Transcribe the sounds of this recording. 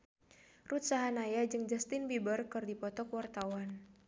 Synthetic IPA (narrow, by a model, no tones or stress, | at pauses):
rut̪̚saɦanajad͡ʒɨŋd͡ʒast̪ɪnbibərkɨrdipɔt̪ɔkwart̪awan